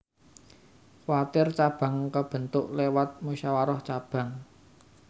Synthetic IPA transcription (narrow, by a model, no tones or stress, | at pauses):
kwat̪ɪrt͡ʃab̥a̤ŋkəb̥ə̤nt̪ʊʔlewat̪̚muʃawaɾɔht͡ʃab̥ä̤ŋ